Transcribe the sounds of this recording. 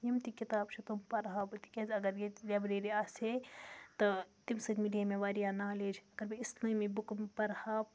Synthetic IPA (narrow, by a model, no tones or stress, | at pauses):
jimt̪ikit̪aːbt͡ʃʰit̪umpɐɾɦaːbɨt̪i̥kʲezɐɡɐɾjelʲɐbɾeːɾiaːset̪ɐt̪imsɐd̪miliemeʋaːɾijaːnaːleːd͡ʒɐɡɐɾbiislɐ̃mibukmpɐɾhaːp